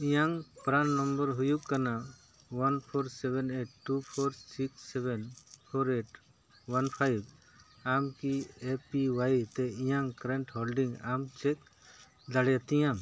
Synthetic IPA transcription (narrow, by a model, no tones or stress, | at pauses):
ĩjaŋpɾanːɔmbəɾɦujukːana | wanpʰɔɾsɛbɛneʈʈːupʰoɾsiksɛbɛnpʰoɾeʈ | wanpʰajb | amkiepiwajt̪ɛĩjaŋkɾɛɳʈhɔlɖiŋɡa̰mt͡ʃɛk̚ | d̪aɽjat̪ijam